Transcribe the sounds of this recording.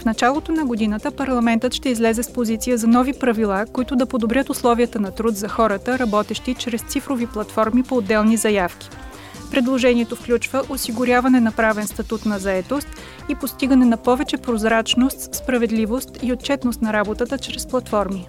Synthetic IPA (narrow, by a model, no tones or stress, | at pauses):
fnɐt͡ʃalˠot̪onɐɡod̪inət̪əpɐɾlˠɐmɛnt̪ət̪ʃt̪ɛizlɛzɛspozit̪sijəzɐnɔvipɾɐvilˠakoit̪ʊd̪ɐpod̪obɾʲjət̪ʊslˠɔviət̪ənɐt̪ɾut̪zɐxɔɾət̪əɾɐbɔt̪ɛʃt̪it͡ʃɾɛst̪sifɾoviplˠɐt̪fɔɾmipoːd̪ːɛlˠnizɐjafkʲi̥ | pɾɛd̪lˠoʒɛniɛt̪ofklʲut͡ʃvəʔosiɡʊɾʲavɐnɛnɐpɾavɛnst̪ɐt̪ut̪nɐzɐɛt̪ost̪ | ipost̪iɡənɛnɐpɔvɛt͡ʃɛpɾozɾat͡ʃnost̪sspɾɐvɛd̪livost̪iot̪̚t͡ʃɛt̪nost̪nɐɾabot̪ət̪ət͡ʃɾɛsplˠɐt̪fɔɾmi